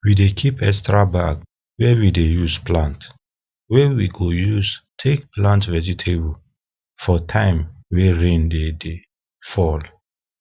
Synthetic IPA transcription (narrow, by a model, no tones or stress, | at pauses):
widekʰipɛkstɹabaɡ | wɛwidejuzplãnt | wɛwiɡojuztʰek̚plãntvɛd͡ʒitʰebl | fɔtʰãɪ̃mwɛɹẽndede | fɔl